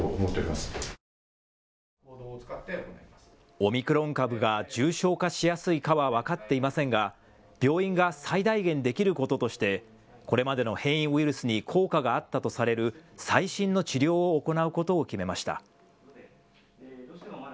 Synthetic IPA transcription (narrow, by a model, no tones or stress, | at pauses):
oomot̪ːeoimasɨ̥ | od̪oːt͡sɨ̥kat̪ːeonaims | o̞mʲikɯ̟ɾõ̞ŋkabɯ̟ɡad͡ʑɨːɕo̞ːkaɕijasɨikaβaβ̞akat̪ːe̞imasẽŋɡa | b̥ʲo̞ːĩŋɡasaid̪aiɡẽ̞nd̪e̞kʲiɾɯ̟ko̞t̪o̞t̪o̞ɕi̥t̪e̞ | ko̞ɾe̞mad̪e̞no̞hẽ̞ɰ̃ĩɰ̃iɾɯ̟sɨɲ̟ikʰo̞ːkaɡaːt̪ːat̪o̞saɾe̞ɾɯ̟saiɕĩnːo̞t͡ɕiɾʲo̞ːoːko̞naɯ̟ko̞t̪o̞ːkʲime̞maɕi̥t̪a̰